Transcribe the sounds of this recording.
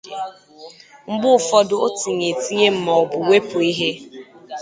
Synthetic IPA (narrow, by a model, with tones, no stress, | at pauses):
ŋ͡m̩˦ɡ͡bʊ˦˨fɔ˦dʊ˨o˦ti˨ɲe˨ti˦ɲe˦m̩˦ma˨ɔ˨bʊ˨we˦pʊ˨i˦ɦe˦